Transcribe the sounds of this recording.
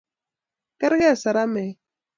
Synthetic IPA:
kɛ˦ɾɣɛ˦a˨sa˨ɾa˦mɛ˨

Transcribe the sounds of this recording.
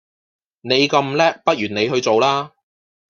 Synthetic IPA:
ne˨˧jkɐ˧mlɛː˥k̚pɐ˥t̚jyː˨˩ne˨˧jɦɵ˧t͡so˨wlaː˥

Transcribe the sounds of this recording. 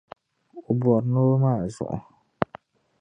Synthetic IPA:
ʊ˨bɔ˨ɾnoː˦maː˦˨zʊ̰˨ʔʊ̰˨

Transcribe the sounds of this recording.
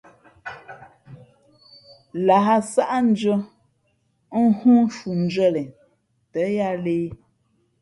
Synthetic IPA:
la˨a˦sa˦ʔa˦n̩˦d͡ʒə˦ | hũ˦ʃu˨n̩˨˦d͡ʒɥə˦˨lɛ˨ | tə˨˦ja˦leː˦

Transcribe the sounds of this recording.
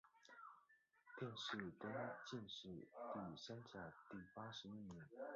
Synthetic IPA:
t̪ʰjɛ˥˧nʂɻ̩˥˩t̪ə˥nt͡ɕi˥˧nʂɻ̩˥˩t̪i˥˩ɕa˥nt͡ɕja˨˩t̪i˥˩pa˥ʂɻ̩˧˥i˥˩njɛ˧˥n

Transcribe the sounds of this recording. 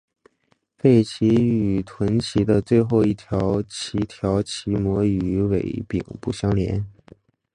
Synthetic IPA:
fe˥˩ɪt͡ɕʰi˧˥y˨˩t̪ʰwə˧˥nt͡ɕʰi˧˥d̪ə˧t͡swe˥˧ɪxo˥˧ʊi˥˩t̪ʰjɑ˧˥ʊt͡ɕʰi˧˥t̪ʰjɑ˧˥ʊt͡ɕʰi˧˥mwɔ˧˥y˧˥we˧˩ɪpḭ˨˩ŋpu˥˩ɕjɑ˥ŋljɛ̰˧˥n

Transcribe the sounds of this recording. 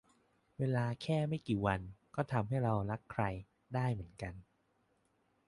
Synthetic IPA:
weː˧laː˧kʰɛː˥˩ma˥˩jkiː˨˩wa˧nkɔː˥˩t̪ʰa˧mɦa˥˩jɾa˧wɾa˦˥kʰːɾa˧j | daː˥˩jmɯ˩˦ənka˧n

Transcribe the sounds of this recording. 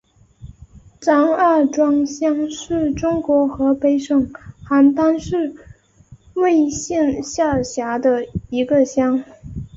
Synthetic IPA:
ʈ͡ʂɑ˥ŋa˞˥˩ʈ͡ʂwɑ˥ŋɕjɑ˥ŋʂɻ̩˥˩ʈ͡ʂʊ˥ŋkwɔ˧˥xɤ˧˥pe˥ɪʂɤ˥˩ŋxa˧˥nt̪a˥nʂɻ̩˥˧ | we˥˧ɪɕjɛ˥˧nɕja˥˩ɕja˧˥d̪ə˧i˧˥ɡə˧ɕjɑ˥ŋ

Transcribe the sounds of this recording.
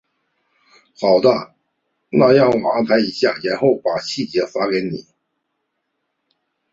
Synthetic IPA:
xɑ˨˩ʊd̪ə˦ | na˥˧jɑ˥˩ŋwɔ˨˩a˥npʰa˧˥ɪi˧˥ɕja̰˥˩jɛ˧˥nxo˥˩ʊpa˨˩ɕi˥˩t͡ɕjɛ˧˥fa˥ke˧˥ɪnḭ˨˩˦

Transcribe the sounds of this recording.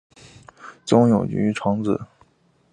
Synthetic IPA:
t͡sʊ˥ŋjo˨˩ʊt͡ɕy̰˧˥ʈ͡ʂʰɑ˧˥ŋd͡zɹ̩˨˩˦

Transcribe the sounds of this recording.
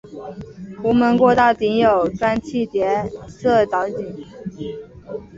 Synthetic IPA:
pʰu˧˥mə˧˥nkwɔ˥˧t̪a˥˩t̪i˧˥njo˨˩ʊʈ͡ʂa˥nt͡ɕʰi˥˩t̪jɛ˧˥sɤ˥˩t͡s̪ɑ˧˥ʊt͡ɕi˨˩˦

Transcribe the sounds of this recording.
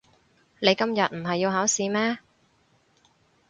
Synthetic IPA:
ne˨˧jkɐ˥mjɐ˨t̚m̩˨˩ɦɐ˨jːiː˧wɦaː˨˥wsiː˨˧mɛː˥

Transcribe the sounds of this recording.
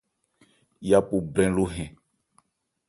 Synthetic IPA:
ja˦pu˨blɛ̃˨˦lo˦ɦɛ̃˨

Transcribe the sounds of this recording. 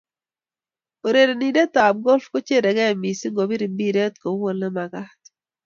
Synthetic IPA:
o˨ɾe˨ɾe˨ni˨de˦t̪a˨b̚ɡɔ˦lfko˦t͡ʃe˦ɾe˨ɡɛ˦˨mi˨si˦ŋɡo˨bi˦ɾi˨bi˦ɾe˦t̪ko˨˦wo˦˨lːɛ˦ma˨ɡa˦t̪

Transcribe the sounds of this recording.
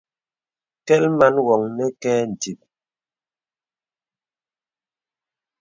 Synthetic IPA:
kɛ˦lma˦nwɔ˨ŋnɛ˦kɛː˦n̩˨ti˨p̚

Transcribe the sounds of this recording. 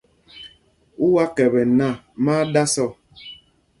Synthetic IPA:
u˦wa˦kɛ˨βɛ˨na˦˨ | ma˦da˦sɔ˦˨

